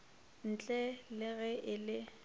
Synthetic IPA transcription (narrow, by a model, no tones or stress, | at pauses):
n̩t͡ɬʼɛlɪɣɛʔɪlɪ